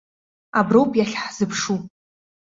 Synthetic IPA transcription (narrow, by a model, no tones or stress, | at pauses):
abrowpʼjaɬʲħz̥ɨpʰʂu